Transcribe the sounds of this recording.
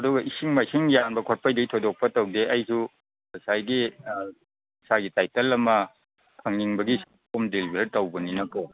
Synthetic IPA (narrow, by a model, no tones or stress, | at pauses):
ɐduɡɐʔisiŋmɐisiŋjanbɐkʰot̚pʰɐjdɐɡitʰodok̚pɐtɐwdeʔɐjsu | ɐsajɡi | ɐsaɡitajtɐlɐmɐ | kʰɐŋniŋbɐɡis | omdelibʱeɾtɐwbɐninɐko